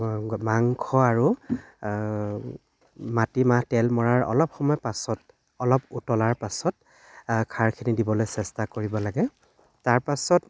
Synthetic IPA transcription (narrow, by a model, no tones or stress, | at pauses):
maŋkʰɔaɹu | matimahtɛlmɔɹaɹɔ̰lɔp̚xɔmɔjpasɔt | ɔlɔputɔlaɹpasɔt̚ | kʰaɹkʰinidibɔlojsɛstakoɹibɔlaɡɛ | taɹpasɔt